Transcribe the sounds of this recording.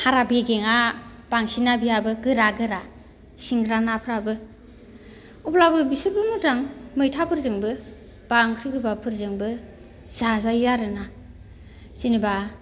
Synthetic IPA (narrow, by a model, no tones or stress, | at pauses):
haɾabeɡeŋab̥aŋsinabijabɯɡɯɾaɡɯɾa | siŋɡɾanapʰɯɾabɯ | uplabɯbisɯɾbɯmudaŋmɯjtʰapʰɯɾzɯŋbɯ | b̥aŋkʰɾiɡɯbapʰɯɾzɯŋbɯ | z̥azajːaɾɯna | siniba